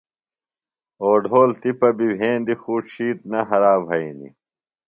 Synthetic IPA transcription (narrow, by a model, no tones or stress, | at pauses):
oːɖʱoːlt̪ipɐbibʱẽːnd̪ixuːɕiːʈ̪̚nɐɦɐɾaːbʱɐinḭ